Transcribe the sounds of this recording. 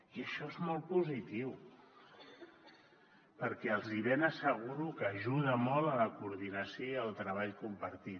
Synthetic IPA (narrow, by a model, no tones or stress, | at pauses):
iəʃɔezmɔlˠt̪̚puzit̪iw | pəɾkɛəlˠziβɛnəsəɣ̞uɾukəʒuð̞əmɔlˠələkuːɾðinəsjoiəlˠt̪ɾəβ̞aʎkumpəɾt̪it̪